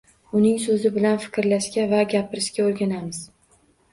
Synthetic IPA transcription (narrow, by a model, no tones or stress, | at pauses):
ʊnɪŋsɵzɪbɪlanfɪ̥kʲɾlaʃkʲavaɡʲapʰɪɾɪʃkʲaoɾɡʲanamɪz̥